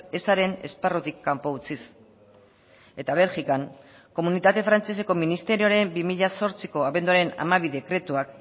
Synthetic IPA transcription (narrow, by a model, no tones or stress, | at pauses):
e̞saɾe̞ne̞̰sparot̪ikːampo̞ut͡sis | e̞t̪aβ̞e̞lxikaŋ | ko̞munit̪at̪e̞fɾant͡se̞se̞ko̞minist̪e̞ɾio̞ɾe̞mbimiʎaso̞ɾt͡siko̞aβe̞nd̪uaɾe̞na̰maβiðe̞kɾe̞t̪uak